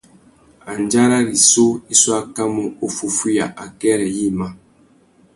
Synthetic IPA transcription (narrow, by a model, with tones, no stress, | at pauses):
a˨n˦d͡ʒa˦ɾa˦ɾi˨so˦i˦swa˦ka˦mɔ˦o˨fu˨fu˦ja̰˨ʔa˨kɛ˦ɾɛ˨ji˦˨ma˦